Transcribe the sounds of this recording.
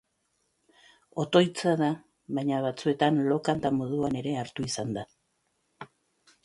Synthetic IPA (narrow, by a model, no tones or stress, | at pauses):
o̞t̪o̞jt͡saða | βajɲaβat͡sue̞t̪anlo̞kant̪amo̞ð̞uane̞ɾe̞aɾt̪uisand̪a